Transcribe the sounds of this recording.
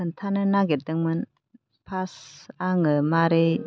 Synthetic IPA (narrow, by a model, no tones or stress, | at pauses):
ɯntʰanɯnaɡedɯŋmɯn | pʰasaŋɯmaɾe